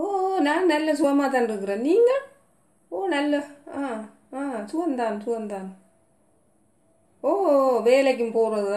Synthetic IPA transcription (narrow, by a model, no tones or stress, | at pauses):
oːnaːnnɐlːɐs̬ʊʋɐmaːt̪̬ːaːnɪɾɯkːɯɾeːniːŋɡɐ | oːnɐlːɐaː | ãːsʊʋɐnd̪aːnsʊʋɐnd̪aːn | oːɦoʋeːlɐk̬ʲːɯmpoːɾɐðɯã